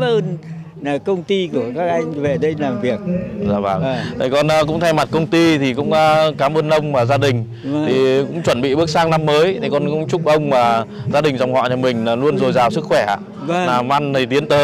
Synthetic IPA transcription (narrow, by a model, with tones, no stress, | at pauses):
ʔəː˧n˨ | kə˧wŋ͡mt̪i˧ku˧˩əkaː˦˥k̚ʔa˧jŋ̟ve˨˩ɗə˧jlaː˨˩mvi˨˩ək̚za̰ː˧˩vaː˨˩ŋ˩t̪ʰi˨˩kɔ˧nʔːkʊ̰˧˥ŋ͡mt̪ʰa˧jma˨˩t̚kə˧wŋ͡mt̪i˧t̪ʰi˨˩kʊ̰˧˥ŋ͡mʔaː˧kaː˨˦mʔəː˧nʔə˧wŋ͡mmaː˨˩zaː˧ɗï˨˩ŋ̟˧ | t̪ʰi˨˩kʊ̰˧˥ŋ͡mt͡ɕwə˧˩nɓḭ˧˨ɓɨ˦˥ək̚saː˧˥k̚na˧mːəː˨˦jt̪ʰi˨˩kɔ˧nkʊ̰˧˥ŋ͡mt͡ɕʊ˦˥k͡p̚ʔə˧wŋ͡mmaː˨˩zaː˧ɗï˨˩ŋ̟zɔ˧wŋ͡mhɔ̰ː˧˨t͡ɕɔ˧˩mï˨˩ŋ̟aː˨˩lu˧ənzo˨˩jzaː˨˩wsɨ˦˥k̚xwɛ˧˩ʔa̰ː˧˩˨ | naː˨˩mʔa˧nt̪ʰi˨˩t̪i˨˦ənt̪əː˨˦j